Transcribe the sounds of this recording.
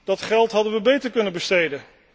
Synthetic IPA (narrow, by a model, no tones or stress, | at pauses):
d̥ɑtχɛlˠtɦɑdənʋəbejtəɹkɵnənbəstejdə